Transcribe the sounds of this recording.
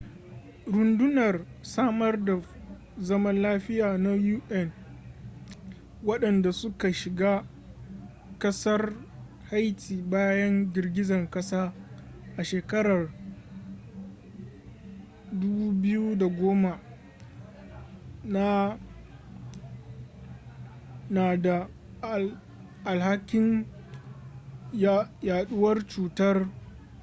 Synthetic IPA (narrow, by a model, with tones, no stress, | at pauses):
ɾʊ˨ndʊ˦nɐ˨rsaː˦mɐ˦rda˨ | zɐ˦mɐ˦nlaː˦ɸɪ˦jaː˨na˦juː˦ʔɛ˦˨n | wɐ˦ɗɐ˨nda˨sʊ˦ka˨ʃɪ˨ɡaː˦ | kɐ˦sɐ˦r | ha˦jtʰiː˨baː˦jɐ˦nd͡ʒʲɪ˨rɡʲɪ˦zɐ˨ŋkɐ˦saː˦ | ʔa˨ʃeː˨kɐ˦ɽɐ˨r | dʊ˦buː˦bɪ˦ju˦da˨ɡʷoː˦ma˨ | na˦ | naː˨da˨ | ʔa˨lha˦kʲɪ˦ŋ | jaː˨ɗʊ˦wɐ˦rt͡ʃuː˨tɐ˦r